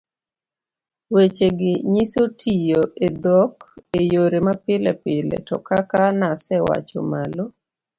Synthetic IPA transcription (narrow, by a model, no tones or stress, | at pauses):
wet͡ʃeɡɪɲisotʰijoʔed̪ɔkejoɾemapɪlɛ̰pɪlɛ̰tɔ̰kakanasɛwa̰t͡ʃɔ̰malo